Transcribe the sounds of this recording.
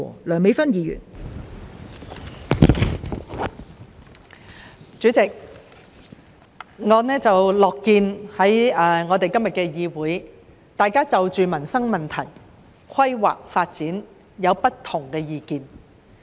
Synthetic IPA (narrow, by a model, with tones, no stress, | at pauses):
lœː˨˩ŋme˨˧jfɐ˥njiː˨˧jy̰˨˩n | t͡ʃyː˨˥t͡sɪ˨k̚ | ŋɔː˨˧nɛː˥t͡sɐ˨wlɔː˨kːiː˧nhɐ˨˥jɛː˧ŋɔː˨˧t̪e˨jkɐ˥mjɐ˨t̚kɛː˧jiː˨˧wuː˨˥j | t̪aː˨jkaː˥t͡sɐ˨wt͡ʃyː˨mɐ˨˩nsɐ˥ŋmɐ˨nt̪ʰɐ˨˩j | kʷʰɐ˥jwa̰ː˨k̚faː˧t̚t͡siː˨˥n | jɐ˨˧wpɐ˥tt̪ʰʊ˨˩ŋkɛː˧jiː˨˧kiː˨n